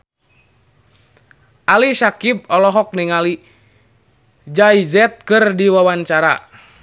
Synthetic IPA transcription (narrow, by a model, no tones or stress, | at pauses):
ʔalisakip̚ɔlɔɦɔk̚niŋali | d͡ʒaizɛt̪̚kɨrdiwawaɲt͡ʃaɾa̰